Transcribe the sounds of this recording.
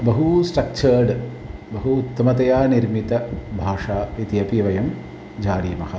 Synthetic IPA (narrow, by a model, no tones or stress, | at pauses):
bɐɦusʈɐk̚t͡ʃʰɐːɾɖ | bɐɦuːt̪ːɐmɐt̪ɐjaːniɾmit̪ɐbʱaːʂaːit̪ijɐpiʋɐjɐm | d͡ʒaːɽiːmɐhɐ